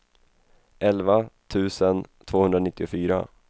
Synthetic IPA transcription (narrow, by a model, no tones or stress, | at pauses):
ʔɛlvat̪ʰʉ̟ːsənt̪ʰvoːhɵnd̪ɾanɪt̪ːɪʊfyːɾa̰